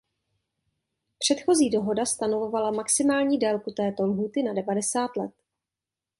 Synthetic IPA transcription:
pr̝̥ɛt̪xo̞ziːdo̞ɦo̞dast̪ano̞vo̞valamaksɪmaːlɲiːdɛːlkut̪ɛːt̪o̞lɦuːt̪ɪnadɛvadɛsaːt̪lɛt̪

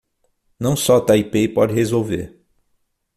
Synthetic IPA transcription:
nɐ̃w̃sɔt̪aipepɔd̪ɪhezowvḛɾ

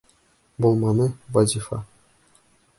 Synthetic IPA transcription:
bolˠmɑnɤvɑzʲifɑ̰

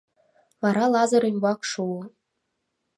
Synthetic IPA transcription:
vɑɾɑlˠɑzɤ̆ɾimʲbɑkʂuɤ̆

